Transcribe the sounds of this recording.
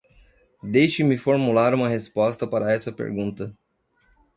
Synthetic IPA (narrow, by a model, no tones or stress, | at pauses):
d̪ejʃimifoɾmulaɾuməɦespɔst̪əpaɾaɛsəpḛɾɡũnt̪ə